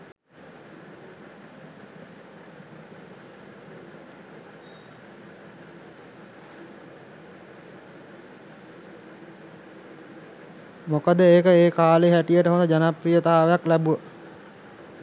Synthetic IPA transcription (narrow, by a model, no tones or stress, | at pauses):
mokəd̪əeːkəeːkaːleɦæʈijəʈəɦond̪əd͡ʒanaprijət̪aɦaʋejaklæbuʋə